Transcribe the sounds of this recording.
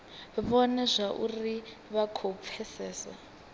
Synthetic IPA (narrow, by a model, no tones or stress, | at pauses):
βɔnɛzʷaʔuri | βakʰɔp̪fʰɛsɛːsa̰